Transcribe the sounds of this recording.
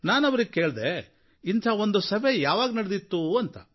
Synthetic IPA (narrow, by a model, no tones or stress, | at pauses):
naːnɐʋɐɾiɡ̚ke̞ːɭd̪e | int̪ʰaːond̪usɐʋejaːʋaːɡnɐɽed̪it̪ːuɐnt̪ɐ